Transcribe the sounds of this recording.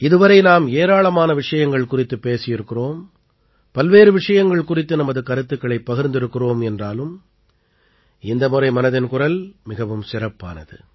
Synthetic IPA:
ɪðɯʋɐɾɐɪnaːmeːɾaːɭɐmaːnɐʋɪʂɐjɐŋɡɐɭkʊrɪt̪ːɯpːeːsɪjɪɾɯkːɪroːm | pɐlʋeːɾɯʋɪʂɐjɐŋɡɐɭkʊrɪt̪ːɯnɐmɐðɯkɐɾɯt̪ːɯkːɐɭɐɪpːɐɣɪɾnd̪ɪɾɯkːɪroːmɛndraːlɯm | ɪnd̪ɐmʊrɐɪmɐnɐðɪnkʊrɐlmɪɣɐʋɯmsɪrɐpːa̰ːnɐðɯ

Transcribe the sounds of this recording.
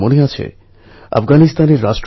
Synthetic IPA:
moneat͡ɕʰḛ | a̰fɡanist̪aneɾːaʃʈɾ

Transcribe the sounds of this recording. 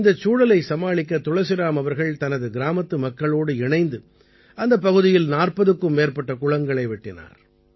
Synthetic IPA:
ɪnd̪ɐt͡ʃːuːɽɐlɐɪsɐmaːɭɪkːɐt̪ʊɻɐsɪɾaːmɐʋɐɾɣɐɭt̪ɐnɐðɯɡɪɾaːmɐt̪ːɯmɐkːɐɭoːɽɯɪɳɐɪnd̪ɯ | ɐnd̪ɐp̬ːɐɣɯðɪjɪlnaːrpɐðɯkːɯmːeːrpɐʈːɐkʊɻɐŋɡɐɭɐɪʋɪʈːɪna̰ːɾ

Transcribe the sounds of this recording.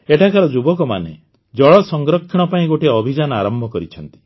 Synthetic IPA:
eʈʰakaɾɔd͡ʒubɔkɔma̰nḛ | d͡ʒɔɭɔsɔŋɡɾɔkʰːiɽ̃ɔpaĩɡoʈeɔbʱid͡ʒanɔaɾɔmbʱɔkɔɾit͡ʃʰɔnt̪i̥

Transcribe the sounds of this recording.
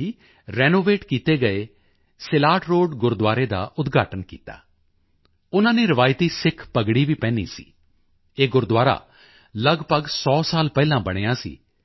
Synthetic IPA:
iː | ɾɛːnoːʋeːʈkiːt̪eːɡəeː | sɪlaːʈɾoːɖɡʊɾd̪waːɾeːd̪a̰ːʔʊt̪ɡʱaːʈənkḭːt̪a̰ː | ʊnãːneːɾɪʋaːjt̪iːsɪkʰpəɡɽiːʋiːpɛ̃ːnḭːsḭː | eːɡʊɾd̪ʊwaːɾa̰ː | ləɡpəɡsɔːsaːlpɛːlãːbəɽ̃eːaːsḭː

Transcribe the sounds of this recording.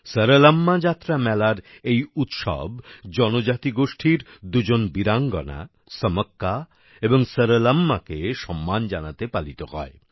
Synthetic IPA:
səɾələmːad͡ʑat̪ːɾamɛlaɾejut̪ʃɔ̰bd͡ʑɔnod͡ʑat̪iɡoʃʈʰiɾd̪ud͡ʑonbiɾaŋɡɔ̰na̰ | səməkːa | eboŋsəɾələmːakeʃɔmːand͡ʑanat̪epalit̪oɦɔ̰e

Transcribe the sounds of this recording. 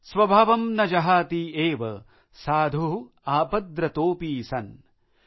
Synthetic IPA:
sʋɐbʱaʋɐmnɐd͡ʒɐɦaːt̪ieːʋɐ | saːd̪ʱu | aːpɐd̪ɾɐt̪oːpiːsɐn

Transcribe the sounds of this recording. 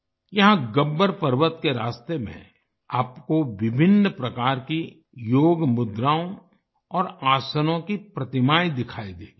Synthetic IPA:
jɐɦãɡɐbːəɾpɐɾʋət̪keɾaːst̪emḛ̃ | aːpkoʋɪbʱɪnːpɾɐkaːɾki | joːɡmʊd̪ɾaːõ | ɔːɾaːsənõkipɾɐt̪ɪmaːid̪ɪkʰaːid̪eː

